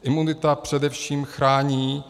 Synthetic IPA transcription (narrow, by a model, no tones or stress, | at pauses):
ʔɪmunɪt̪apr̥ɛdɛfʃiːmxɾaːɲiː